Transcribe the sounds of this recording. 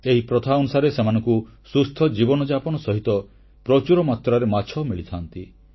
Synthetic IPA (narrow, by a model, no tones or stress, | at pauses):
eɦipɾɔt̪ʰaɔnusaɾesemanɔ̃ŋkusust̪ʰɔd͡ʒibɔnɔd͡ʒapɔñɔsɔɦit̪ɔ | pɾɔt͡ʃuɾɔmat̪ɾaɾemat͡ʃʰɔmiɭit̪ʰant̪i